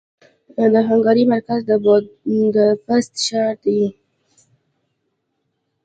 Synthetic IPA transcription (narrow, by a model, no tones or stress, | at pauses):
d̪əɦaŋɡɑɾimaɾkazd̪əbd̪əfast̪ʃɑɾt̪ji